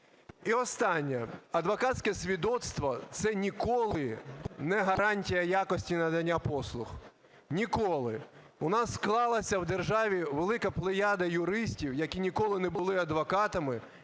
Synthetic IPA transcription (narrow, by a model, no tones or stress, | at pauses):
iɔst̪ɑnʲːɛɐd̪ʋɔkɑtʲsʲkɛsʲʋʲid̪ɔt̪st̪ʋɔt̪sɛnʲikɔlˠɪnɛɦɐɾɑnʲtʲijɐjakɔsʲtʲinɐd̪ɐnʲːapɔslˠʊx | nʲikɔlˠɪ̰ | ʊnɑsːklˠɑlˠɐsʲɐwd̪erʒɑʋʲiʋelˠɪkɐplˠɪjɑd̪ɐjʊɾɪsʲtʲiwjɐkʲinʲikɔlˠɪnɛbʊlˠɪɐd̪ʋɐkɑt̪ɐmɪ